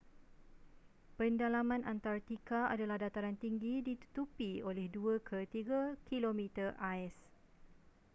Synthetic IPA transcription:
pəndalamãnant̪aɾat̪ikaa̰dalahdat̪aɾant̪iŋɡidit̪u̥t̪upiolɛhduəkʰət̪iɡakilomĩt̪ərʔaɛs

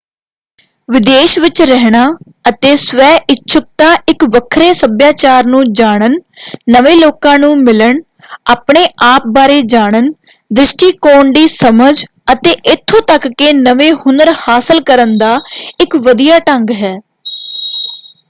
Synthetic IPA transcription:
ʋɪd̪eːʃʋɪt͡ʃɾɛɦɽ̃aː | ət̪eːsʋɛːʔɪtːʃʰʊk̚t̪ãːʔɪkʋəkʰɾeːsəbjaːt͡ʃaːɾnũːd͡ʒaːɽ̃ənːəʋeːloːkãːnũːmɪləɳ | aːpɳeːʔaːp̚baːɾeːd͡ʒaːɽən | d̪ɾɪʃʈiːkoːɳɖiːsəməd͡ʒ | ət̪eːʔɪt̪ʰːõːt̪əkːeːnəʋeːhʊnəɾhaːsəlkəɾənd̪aːɪkʋəd̪ijaːʈə̃ŋɡɦɛː

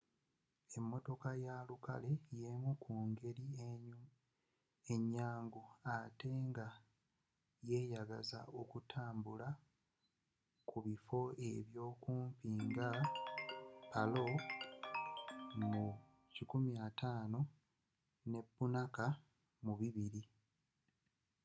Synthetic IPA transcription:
e̞mːo̞to̞kajaluka̰le̞jemukʰuːŋɡe̞ɾi | e̞ɲːaːŋɡuate̞ŋɡa | je̞ːjaɡaza̰o̞kutʰaːmbula | kuβifo̞e̞βjo̞ːkuːmpiŋɡa | palo̞ | mu | cikumjataːno̞ | ne̞bːunaka | muβiβiɾi

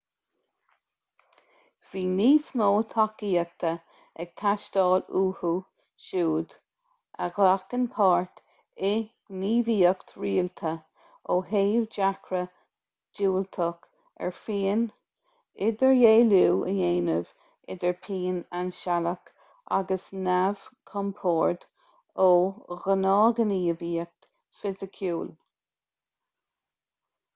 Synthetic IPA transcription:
v̥iːniːsmoːt̪ʰakiːək̚t̪ʰə | ɛɡ̥̚t̪ʰaʃd̪ɑːluːhu | ʃuːd̪ | ʔa̰ɡlakənpʰɑːɹt̪ | ɪ | niːviːəkt̪ɹiːlt̪ʰə | oːɦeːvd͡ʒakʰɾə | d͡ʒuːlt̪ʰək | ɛ̰ɹfiːn | ɪd̪əɹjeːluːʔə̰jeːnəv | ɪ̰d̪əɹpʰiːnanʃalək | ʔa̰ɡəsnav̥kʰɔmpʰoːɹd̪ | oːɣənɑːɡəniːviːək̚t̪ | fɪzəkʰjuːl

